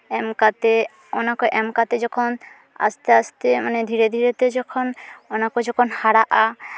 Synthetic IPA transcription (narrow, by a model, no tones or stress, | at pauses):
ɛmkat̪e | ɔnakɔʔɛmkat̪ed͡ʒɔkʰɔn | a̰st̪east̪emaned̪ʱiɾed̪ʱiɾet̪ed͡ʒɔkʰɔnɔnakɔd͡ʒɔkʰɔnhaɽaʔa